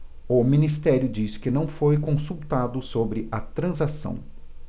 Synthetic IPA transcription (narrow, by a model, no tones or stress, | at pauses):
ʊmĩnist̪ɛɾjʊd͡ʒisɪ̥kɪnɐ̃w̃fojkõsuwt̪ad̪ʊsobɾɪʔɐt̪ɾɐ̃zasɐ̰̃w̃